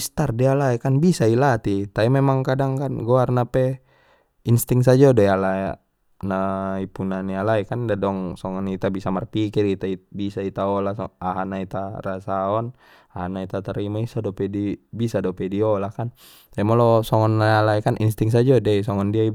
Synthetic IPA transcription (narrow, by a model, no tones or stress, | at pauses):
ist̪ardialaɛkanbisailat̪it̪aimemaŋkadaŋkanɡoarnapɛ | inst̪iŋsad͡ʒadojala | naipunanialaikandadɔŋsɔŋɔnit̪abisamarpikirit̪aibisait̪aɔlasɔ̰aɦanait̪arasaɔn | ahanait̪at̪aɾimaisadɔpɛdibisadɔpɛdiɔlakan | ɛmalɔsɔŋɔnalaikanʔḭnst̪iŋs̬ad͡ʒadɛs̬ɔŋɔndiai